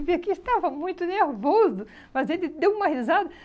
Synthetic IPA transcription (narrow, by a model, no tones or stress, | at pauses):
viɐkɪist̪avɐmũj̃t̪ʊneɾvozʊ | mɐzelɪd̪ewũmɐhizad̪ɐ